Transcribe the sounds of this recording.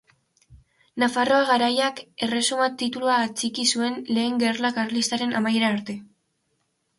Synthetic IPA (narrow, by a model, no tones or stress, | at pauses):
nafaro̞aɣaɾajake̞re̞sumat̪it̪uluat͡sikisue̞nle̞ːŋɡe̞rlakaɾlist̪aɾe̞nʔa̰majeɾaːɾt̪e̞